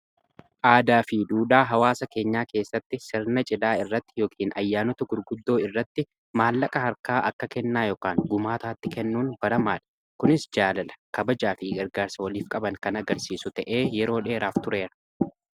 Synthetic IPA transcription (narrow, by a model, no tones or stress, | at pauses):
ʔaːd̪aːfiːd̪uːᶑaːɦɐwaːsɐke̞ːɲːaːke̞ːsːɐt̪ːɪsɪɾnɐt͡ʃʼɪlaːɪrːɐt̪ːɪ̥jo̞ːkʰiːnɐjːaːnɔt̪ɐɡʊɾɡʊd̪ːo̞ːɪrːɐt̪ːɪ | maːlːɐkʼɐhɐɾkaːʔɐkːɐkɛnːaːjoːkaːŋɡʊmaːt̪aːt̪ːɪkɛnːuːnbɐɾɐmaːᶑɐ̥ | kʊnɪsd͡ʒaːlɐlɐ̥kɐbɐd͡ʒaːfɪɡɐɾɡaːɾsɐwɐliːfkʼɐbɐŋkɐnɐɡɐɾsiːsʊt̪ɐʔeːjɛɾo̞ːᶑe̞ːɾaːft̪ʊɾe̞ːɾɐ̥